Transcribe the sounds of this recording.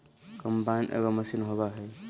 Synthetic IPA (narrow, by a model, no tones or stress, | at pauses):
kɔmpanʔa̰ɡɔməsinɦɔβaɦɔj